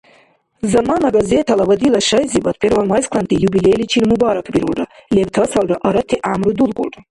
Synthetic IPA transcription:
zamanaɡazet̪ʰalawad̪ilaʂajzibat̪̚pʰeɾwanmajskʰlant̪ʼijubilejlit͡ʃʰilmubaɾakʰbiɾulralebtʰɐsalraʔaɾɐt̪ʰiʔamrud̪ulkʷʼṵlrʼa

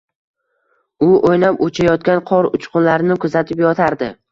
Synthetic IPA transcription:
ʊʔojnapot͡ʃʰajɒt̪̚kʲanqʰɒɾʊ̰t͡ʃqʊnlaɾnɪkʰʊzat̪ʰɪpjɒt̪ʰaɾd̪ɪ

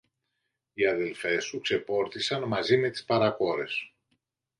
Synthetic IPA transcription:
iɐðe̞lfe̞sukse̞po̞ɾθisɐnmɐzime̞t̪i̥spɐɾɐko̞ɾe̞s

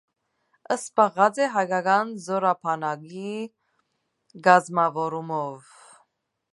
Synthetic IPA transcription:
əsbɑʁɑt͡sɛɦɑjɡɑɡɑnzɔɾɑpʰɑnɑɡi | ɡɑzmɑvɔɾumɔv

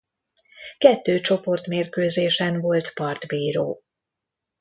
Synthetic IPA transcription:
kɛt̪ːøːt͡ʃo̞po̞rt̪meːrkøːzeːʃɛnvo̞lt̪pɒrd̪biːɾo̰ː

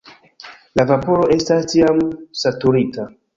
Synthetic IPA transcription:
lavapo̞ɾo̞ʔe̞stastiamsatuɾita

